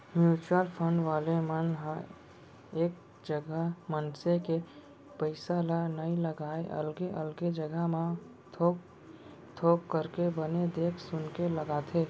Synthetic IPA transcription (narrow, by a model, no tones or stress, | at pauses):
mjuːt͡ʃəlpʰə̃ɳɖʋaːlemənɦə̃ | eːk̚ | d͡ʒɡmənseke | pəɪsalanɐĩləɡaːeʔə̰lɡeʔəlɡed͡ʒəɡəɦmã | o | t̪ʰoːkːəɾkebəned̪eːkʰsʊnkeləɡaːt̪ʰeː